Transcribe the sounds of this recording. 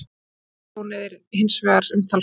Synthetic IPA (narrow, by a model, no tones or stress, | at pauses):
ɔnɪðɪɾhɪnsvɛːɣaɾsʏmt̪ʰal